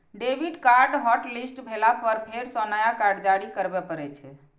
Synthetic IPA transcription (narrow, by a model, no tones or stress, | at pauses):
ɖebʱiɖkaɾɖɦɔʈlisʈbʱelapəɾpʰeɾsɔnajakaɾɖd͡ʒaɽikəɾbɛpəɾɛt͡ʃʰɛ